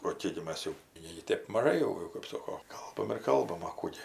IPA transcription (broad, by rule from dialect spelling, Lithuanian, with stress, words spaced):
oː ˈkʲeːk ɡʲɪ ˈmɐs jɛʊ ˈnʲeːɡʲɪ ˈtʲeːp mɐˈʒɐɪ jɛʊ kɐp ˈsoːkoː ˈkɐlˠbɐm ɪr ˈkɐlˠbɐm ɐ ˈkuː ɡʲɪ